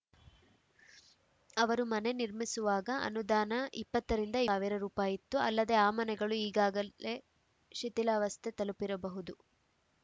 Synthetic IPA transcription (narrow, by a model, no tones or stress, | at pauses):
ɐʋɐɾumɐne̞niɾmisuʋaːɡɐʔɐ̰nud̪aːnɐʔipːɐt̪ːɐɾind̪ɐiːʋiɾɐɾuːpaːjit̪ːuɐ̰lːɐd̪e̞aːmɐnɛɡɐɭuiːɡaːɡɐe | ʃit̪ilaʋɐst̪ʰet̪ɐlupiɾɐbɐɦud̪u